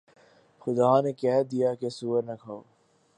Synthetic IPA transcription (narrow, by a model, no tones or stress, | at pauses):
xʊd̪aːnekɛɦd̪ijakesuːəɾnɐkʰaːoː